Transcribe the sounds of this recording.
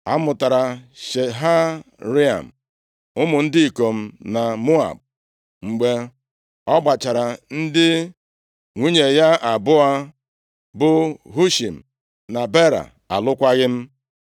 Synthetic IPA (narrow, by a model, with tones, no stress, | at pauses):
a̰˦mʊ˨ta˨ɾa˨ʃe˨ɦa˦ | ɾi˦a̰˨m̩˨ | ʊ˦mʊ˨n̩˦dɪ˦i˨ko˨m̩˦na˨mʊ˦a̰˨b̚ | ŋ͡m̩˨ɡ͡be˦ | ɔ˦ɡ͡ba˨t͡ʃa˨ɾa˨n̩˦dɪ˦ | ŋʷi˦ɲe˨ja˦ʔa˨bʊ˦a˦ | bʊ˦ɦu˦ʃi˨m̩˨ | na˨be˦ɾa̰˨ | a̰˨lʊ˦kʷa˦ɣɪ˦m̩˦